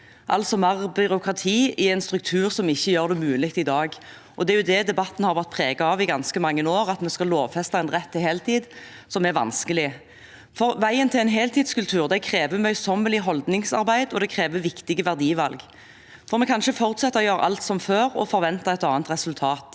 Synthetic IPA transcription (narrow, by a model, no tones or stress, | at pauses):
ʔɑ̰lt̪sɔmɑʁbʏɾʊkʰʁɑt̪ʰiːɪɛɪnst̪ʁʉk̚t̪ʰʉːʁsɔmɪçːəjøːʁd̪ɛmʉːlɪkt̪ɪd̪ɑːɡ | ʔɔd̪ɛæɾjʊd̪ɛd̪ɛbɑt̪ːn̩hɑʁʋæʁt̪pʰʁeːɡɑɑʋɪɡɑnskəmɑŋːənoːʁɑt̪mɛskɑloːʋfɛst̪ɑɛnʁɛt̪ʰːɪheːlt̪ʰiːd̪ | sɔmɛɾʋɑ̰nskəlɪ | fɔɾʋæɪənt̪ʰɪlɛnɦeːlt̪ʰiːd̪skʉlt̪ʰʉːʁd̪ɛkʰɾeːʋəmœʏsɔmːəlɪɦɔld̪nɪŋsɑ̰ʁbæɪd̪ɔd̪ɛkʰʁeːʋəʋɪkt̪ɪɡəʋæʁd̪iːʋɑlɡ | fɔʁmɛkʰɑnʃəfɔʁt̪sɛt̪ːɑɔjøːɾʔɑ̰lt̪sɔmføːɾɔ̰fɔɾʋɛnt̪ɑɛt̪ɑːnt̪ʁɛsʉlt̪ʰɑːt̪